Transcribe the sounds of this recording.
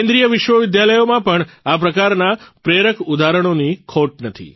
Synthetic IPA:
ẽnd̪ɾijəʋɪʃʋəʋɪd̪jaləjomãpəɳapɾəkaɾnapɾeɾəkʰud̪ʱaɾəɽ̃onikʰoʈ̚nət̪ʰḭ

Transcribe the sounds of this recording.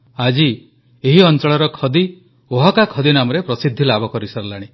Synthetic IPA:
ad͡ʒi | eɦiɔnt͡ʃɔɭɔɾɔkʰɔd̪i | oɦakakʰɔd̪inamɔɾepɾɔsid̪ʱːilabʱɔkɔɾisɔɾɔlaɽ̃i

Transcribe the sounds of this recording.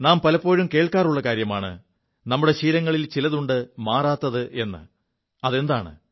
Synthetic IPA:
naːmpɐlɐpːo̞ːɾumke̞ːɭkaːruɭːɐkaːɾjɐmaːɳɨ̰ | nɐmːuɽe̞ɕiːɾɐŋːɐɭilt͡ɕilɐðuɳɖɨmaːraːt̪ːɐðɨʔe̞nːɨ̰ | ɐðe̞nd̪aːɳɨ̰

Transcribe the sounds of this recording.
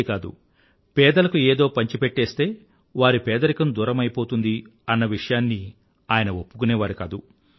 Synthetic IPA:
kaːd̪ṵ | pɛːd̪ɐlɐkueːd̪o̞ːpɐɲt͡ʃipeʈːeːst̪e̞ː | ʋaːɾipɛːd̪ɐɾikɐmd̪uːɾɐmɐjpo̞ːt̪und̪iɐnːɐʋiʂɐjaːnːi | aːjɐnɐopːu̥kunɛːʋaːɾikaːd̪u

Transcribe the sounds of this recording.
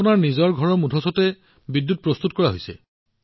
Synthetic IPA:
ʊnaɹnizɔɹɡʱɔɹɔmudʱɔsɔtɛ | bidːut̚pɹɔst̪utkɔɹaɦojsɛ̰

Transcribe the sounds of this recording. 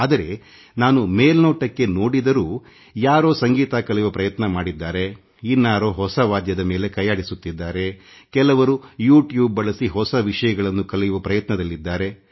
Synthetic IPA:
aːd̪ɐɾe̞ | naːnumeːlnoːʈɐkːe̞noːɽid̪ɐɾuː | jaːɾo̞ːsɐŋɡiːt̪aːkɐlɛjʋɐpɾɐjɐt̪nɐmaːɽid̪ːaːɾe | inːaːɾoːɦɔsɐʋaːd̪jɐd̪ɐme̞ːle̞kɐjaːɽisut̪ːid̪ːaːɾe̞ | kɛlɐʋɐɾujuːʈjuːb̚ːɐɭɐsiɦɔsɐʋiʂɐjɐɡɐɭɐnːukɐlɛjuʋɐpɾɐjɐt̪nɐd̪ɐlːid̪ːaːɾe̞

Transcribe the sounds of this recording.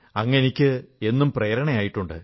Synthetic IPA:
ɐŋːɐnikʲːɨe̞nːumpreːɾɐɳɐjaːjiʈːuɳɖɨ̰

